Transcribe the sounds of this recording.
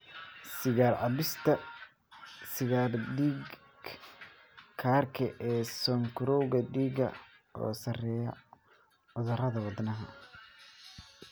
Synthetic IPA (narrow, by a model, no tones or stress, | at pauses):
sɪɣaːɾʕɑbɪst̪ʰɐ | sɪɣaːrd̪iɡ | kʰaːrkʰɐʔɛːsɔŋkʰʊɾɔwɣɐɖiːɡɐ̰ | ʔɔ̰ːsɐrɛːjɐ̰ | ʊðɐrɐðɐwɑd̪nɐɦɐ